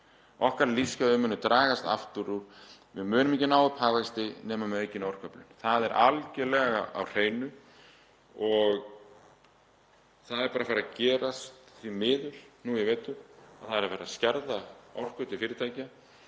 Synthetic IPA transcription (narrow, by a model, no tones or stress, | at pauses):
ɔhkaɾliskaʏmːʏːnːʏt̪ɾaːɣast̪a̰ft̪ʏɾu | vɪðmʏːnʏmɛcɪnaːwʏphaːɣvast̪ɪnɛːmamejcɪnowr̥kʰœplʏnθaðɛɾʔa̰lcɛlɛːɣaa̰wr̥eːjnʏ | ɔɣ | θaðɛɾpaːɾafaɾacɛːɾast̪θimɪːðʏɾ̥nujɛɣveːjt̪ʏa̰θaðɛɾafaːɾascɛɾðaɔ̰wr̥kʏt̪ɪlfɪːɾɪt̪ʰaːjca